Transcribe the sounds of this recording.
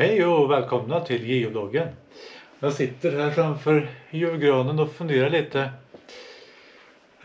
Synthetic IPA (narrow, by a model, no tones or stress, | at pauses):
ɛɪuɔːʋɛːlkʰɔmnɑt̪ʰɪlɡɪʊloːɡən | jɑsɪt̪ːəɾɦæːɾfɾɑmfœɾjʉʋɡɾoːnənɔfʉnd̪eːɾɑɭiːt̪ːə